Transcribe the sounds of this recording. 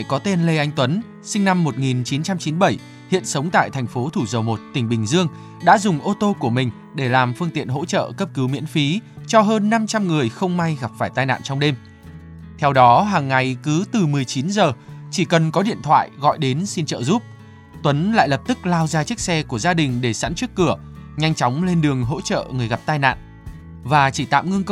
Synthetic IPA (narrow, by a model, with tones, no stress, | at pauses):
kɔ˨˦t̪e˧nle˧ʔa˧jŋ̟t̪wə˨˦n | sï˧ŋ̟na˧mːo˨˩t̚ŋi˨˩nt͡ɕi˨˦nt͡ɕa˧mt͡ɕi˨˦nɓə˧˩j | hḭ˧˨ənsə˨˦wŋ͡mt̪a̰ː˧˨jt̪ʰɛ˨˩ŋ̟fo˨˦t̪ʰu˧˩zə˨˩wmo˨˩t̚t̪ï˨˩ŋ̟ɓï˨˩ŋ̟zɨ˧əŋ | ɗa̰ː˧˥zʊ˨˩ŋ͡mʔo˧t̪o˧ku˧˩əmï˨˩ŋ̟ | ɗe˧˩laː˨˩mfɨ˧əŋt̪ḭ˧˨ənɦo̰˧˥t͡ɕə̰ː˧˨kə˦˥p̚kɨ˨˦wmḭ˧˥ənfi˨˦t͡ɕɔ˧ɦəː˧nːa˧mt͡ɕa˧mŋɨ˨˩əjxə˧wŋ͡mma˧jɣa˨˩p̚faː˧˩jt̪aː˧jna̰ː˧˨nt͡ɕɔ˧wŋ͡mɗe˧m | t̪ʰɛ˧wɗɔ˨˦ɦaː˨˩ŋːa˨˩jkɨ˨˦t̪ɨ˨˩mɨ˨˩əjt͡ɕi˨˦nzəː˨˩t͡ɕi˧˩kə˨˩nkɔ˨˦ɗḭ˧˨ənt̪ʰwa̰ː˧˨jɣɔ̰˧˨jɗe˨˦nsi˧nt͡ɕə̰ː˧˨zu˦˥p̚ | t̪wə˨˦nla̰ː˧˨jlə˨˩p̚t̪ɨ˦˥k̚laː˧wzaː˧t͡ɕi˦˥ək̚sɛ˧ku˧˩əzaː˧ɗï˨˩ŋ̟ɗe˧˩sa̰ː˧˥nt͡ɕi˦˥ək̚kɨ˧˩ə | ɲa˧jŋ̟t͡ɕɔ˨˦wŋ͡mle˧nɗɨ˨˩əŋɦo̰˧˥t͡ɕə̰ː˧˨ŋɨ˨˩əjɣa˨˩p̚t̪aː˧jna̰ː˧˨nʔ | vaː˨˩t͡ɕi˧˩t̪a̰ː˧˨mŋɨ˧əŋk